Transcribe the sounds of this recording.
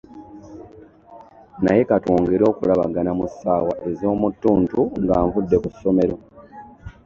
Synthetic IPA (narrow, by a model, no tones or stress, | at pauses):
naje̞katoːŋɡeɾo̞ːkulaβa̰ɡanamusːaːwaʔe̞zo̞ːmutːuːntuŋɡaːɱvudːe̞kusːo̞me̞ɾo̞